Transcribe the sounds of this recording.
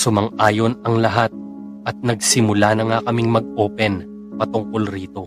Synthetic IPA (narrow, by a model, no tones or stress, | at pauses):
sʊmɐŋʔaːjo̞nɐŋlɐɦat̪̚ | ʔɐt̪̚nɐɡ̚sɪmʊlanɐŋakɐmɪŋmɐɡ̚ʔoːpɛn | pɐt̪ʊŋkolɾiːt̪o̞